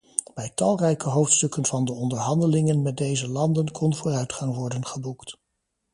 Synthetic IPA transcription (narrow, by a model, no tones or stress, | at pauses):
b̥ɛjtɑlˠrɛjkəɦowftstɵkənv̥ɑndəɔndəɹɦɑndəlɪŋənmɛt̚dejzəlɑndənkʰɔnvʊːrœɥtχɑŋʋɔɹdənχəbukt